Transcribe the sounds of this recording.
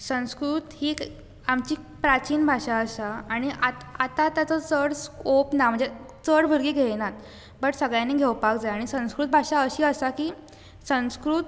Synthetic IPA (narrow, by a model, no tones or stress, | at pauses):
sə̃w̃skɾuːt̪hiː | amt͡ɕiː | pɾat͡ɕiːnbʱaɕaəsaːɽ̃iʔat̪at̪at̪jat͡sət͡səɽskopnam̤əɳd͡ze | t͡səɽbʱəɾɡeɡʱenat̪̚ | bəʈsəɡɭjãneɡʱeʋpakd͡zajaɽ̃isə̃w̃skɾut̪̚bʱaɕaəɕiːəsakiː | sə̃skɾut̪